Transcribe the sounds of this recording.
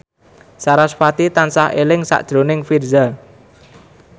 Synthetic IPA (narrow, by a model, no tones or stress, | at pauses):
saɾasfat̪it̪ansaɦelɪŋsa̰ʔd̥ʒ̥ɾo̤nɪŋfirza